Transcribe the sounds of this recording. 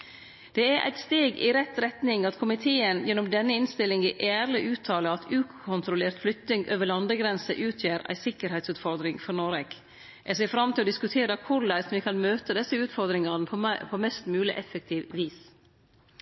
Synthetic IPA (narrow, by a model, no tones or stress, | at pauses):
d̪̥ɛæɾʔæ̰ɪt̪st̪eːɡɪ̰ɾɛt̪ɾɛt̪nɪŋɑt̪kʰʊmɪt̪ʰeːənjɛnːʊmd̪ɛnːəɪnst̪ɪlːɪŋɪʔæːɾlɪʔʉːt̪ʰɑːləɑt̪ʰʉːkʰʊnt̪ɾʊleːɾt̪flʏkt̪nɪŋʔøːʋəɭɑnd̪əɡɾɛnsə̰ʔʉːt̪ʰjæːɾæ̰ɪsɪkːəɾhɛɪt̪sʉːt̪fɔɾd̪ɾɪŋfɔɾnoːɾɛk | ʔɛs̬eːfɾɑmt̪ʰɪlɔːd̪ɪskʉt̪ʰeːɾəkʰʊɾlæsʋɪkʰɑnmøːt̪əd̪ɛsəʉːt̪fɔɾd̪ɾɪŋɑnəpʰpʰomɛst̪mʉːlɪ̰ʔɛfək̚t̪ʰiːʋʋiːs